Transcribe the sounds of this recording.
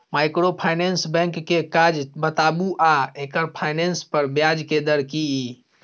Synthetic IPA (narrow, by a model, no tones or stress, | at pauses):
majkɾopʰajnensbɛ̃ŋkːekad͡ʒbət̪abuʔaekəɾpʰajnenspəɾbjad͡ʒked̪əɾkii